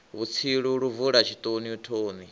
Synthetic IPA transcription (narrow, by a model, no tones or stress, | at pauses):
βut͡sʰiɺuɺuvuɺat͡ʃʰit̪ʼoniutʰoːni